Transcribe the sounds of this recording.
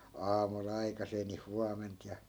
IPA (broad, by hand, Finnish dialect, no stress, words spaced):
ɑːmul ɑikɑseː ni huɑment jɑ